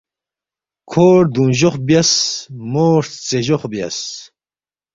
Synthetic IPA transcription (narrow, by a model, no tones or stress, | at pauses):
kʰoːɾd̪unʑoχbiɐsmoːɾt͡seʑoχbjɐ̰s